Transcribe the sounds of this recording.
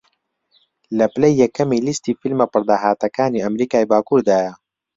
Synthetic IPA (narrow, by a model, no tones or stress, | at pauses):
lɐplɐjːɐkːɐmiːlist̪iːfilmɐpɨɾd̪aːɦaːt̪ɐkaːniːɐmɾiːkaːjbaːkuːɾd̪aːjɐ